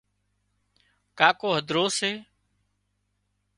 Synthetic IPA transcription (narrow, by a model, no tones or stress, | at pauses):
kaːkoːɦəd̪ʱɾoːseː